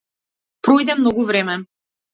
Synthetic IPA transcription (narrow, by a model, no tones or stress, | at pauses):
pɾɔjd̪ɛmnɔɡuvɾɛmɛ